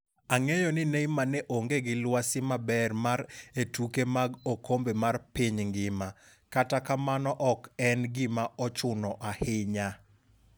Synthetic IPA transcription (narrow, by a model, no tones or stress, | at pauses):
aŋejɔnɪneimanɛʔoŋɡeɡɪlwasɪmabɛrmaɾetukemaɡokombemarpɪɲŋɡɪma | katakamanɔʔɔkɛnɡɪmaɔt͡ʃʊnɔʔahɪɲa